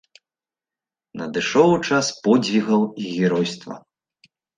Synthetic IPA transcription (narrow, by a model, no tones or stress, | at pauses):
nɐd̪ɨʂɔwt͡ʂaspɔd͡zʲvʲiɣɐwiɣʲɛɾɔjst̪vɐ̰